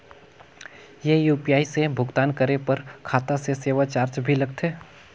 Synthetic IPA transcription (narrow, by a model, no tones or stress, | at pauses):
jeːjuːpijaːisebʱʊɡt̪aːnkəɾepɐɾkʰaːt̪aseseːʋat͡ʃaːɾt͡ʃbʱilɐɡ̚t̪ʰeː